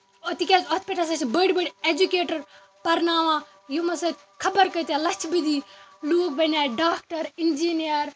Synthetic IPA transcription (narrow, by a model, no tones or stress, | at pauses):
ot̪ikʲaːzoːt̪piʈɐlsɐt͡ʃbəɽʲbəɽʲed͡ʒukeːʈɐɾ | pɐɾnaːʋãː | jumɐsɐt̪ʲ | kʰɐbɐɾkɐt̪ʲalɐt͡ʃʰbid̪iloːk̚bɐnaːjɖaːk̚ʈɐɾind͡ʒiːnijəɾ